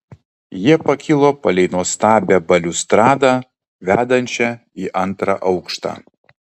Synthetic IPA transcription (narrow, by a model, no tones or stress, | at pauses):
jiɛpɐkʲɪlˠoːpɐlʲɛɪnoːst̪ɑːbʲɛbɐlʲʊst̪ɾɑːd̪ɑ | ʋʲæːd̪ɐnʲt͡ʃʲɛ | iːʔɐnt̪ɾɑ̰ʔɐʊkʃt̪ɑ̰ː